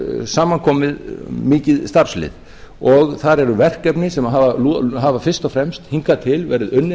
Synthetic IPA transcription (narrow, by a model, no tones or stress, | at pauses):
saːmaŋkʰɔːmɪðmɪːcɪðst̪ar̥slɪ̰ð | ɔɣθaɾɛɾʏvɛr̥kɛpnɪsɛmaɦavalɦaːvafɪr̥st̪ɔfɾɛmst̪hiŋkat̪ʰɪlvɛːɾɪðʏnːɪ